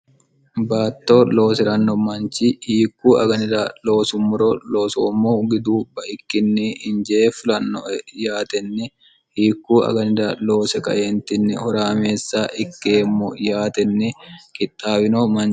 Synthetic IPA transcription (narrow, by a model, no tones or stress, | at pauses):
baːt̪ːo̞ːlo̞ːsɛɾɐnːɔmɐnt͡ʃihiːkːuːʔɐɡɐnɪd̪aːlo̞ːsʊmːʊɾolo̞ːsoːmːoːɡɪd̪uːbɐʔɪkːɪnːiːhɪnd͡ʒɛeːfɪlɐnːɔ̰jaːt̪ɛnːɛ | hiːkːuːʔɐ̰ɡɐnɪd̪aːlo̞ːsɛkɐ̰ʔeːnt̪ɪnːɪhɔɾaːme̞ːsːaːʔɪkːeːmːɔ̰jaːt̪ɛnːɛkʼɪt̪ʼːaːbɪnoːmɐn